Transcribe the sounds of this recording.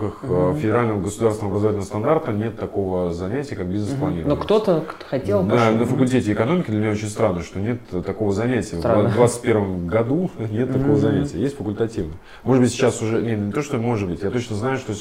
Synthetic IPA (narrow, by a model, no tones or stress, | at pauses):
kəxfʲɪdʲɪɾalʲnəvəɡəsʊd̪aɾrsʲnəɐbɾəzɐvatʲlʲnəvəst̪ɐnd̪art̪ənʲe̞t̪ːɐko̞vəzɐnʲætʲɪjəkak̚bʲiznəsplˠɐnʲeɾnokt̪ot̪əxɐtʲelˠd̪anəfəkʊlʲtʲetʲɪɪkɐno̞mʲɪkʲɪd̪lʲɪmʲɪnʲaot͡ɕɪnʲst̪ɾanːəʂt̪o̞nʲett̪ːɐko̞vəzɐnʲætʲɪjəvd̪vat̪sɨ̥t̚ʲpʲervəmɡɐd̪unʲet̪ːɐkko̞vəzɐnʲætʲɪjəjesʲtʲfəkʊlʲt̪ɐtʲivnə | mo̞ʐɨd̪bɨtʲsʲɪt͡ɕːasʊʐɛnʲet̪nʲnʲɪt̪oʂt̪omo̞ʐɨt̪̚bɨtʲjat̪ot͡ɕnəznajʊʂt̪o